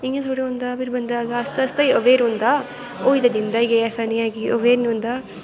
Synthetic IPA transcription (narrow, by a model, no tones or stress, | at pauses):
iŋɡɐt̪ʰoɽiond̪ɐbiɾbɐnd̪aːɡɐːst̪ɐst̪ɐjoʋeːɾond̪ɐ | oːjd̪ɐd̪ind̪ɐiɡeɐsanɐjaːɡioʋeːɾnond̪ɐ